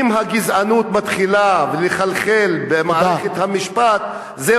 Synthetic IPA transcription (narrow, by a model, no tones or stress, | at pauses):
imɦaɡizanut̪mat̪χilaveleχalχelbemaaʁeχet̪hamiʃpat̪ | ze